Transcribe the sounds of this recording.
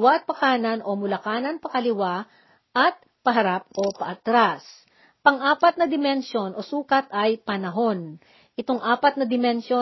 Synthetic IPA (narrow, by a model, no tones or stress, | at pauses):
waʔɐt̪̚pɐkaːnɐnʔo̞mʊlɐkaːnɐnpɐkɐlɪwa | ʔɐt̪̚ | pɐɦɐɾap̚ʔopɐʔɐt̪ɾas | pɐŋʔaːpɐt̪̚nɐd̪ɪmɛnʃo̞nʔo̞suːkɐt̪ʔɐjpɐnɐɦo̞n | ʔɪt̪oŋʔaːpɐt̪̚nɐd̪ɪmɛnʃo